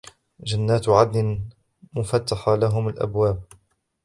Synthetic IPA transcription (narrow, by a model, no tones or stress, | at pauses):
d͡ʒanːaːt̪ʕad̪lɪ | mʊfat̪ːaħalaɦʊmalʔa̰bwaːb̚